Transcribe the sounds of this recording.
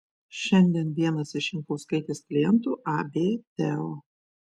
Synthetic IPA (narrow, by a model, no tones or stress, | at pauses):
ʃʲɛnʲd̪ʲiɛnʋ̪ʲiɛnɐsɪʃʲɪŋkɐʊskɐɪt̪ʲeːskʲlʲɪjɛnt̪uːʔɑbʲeːt̪ʲɛoː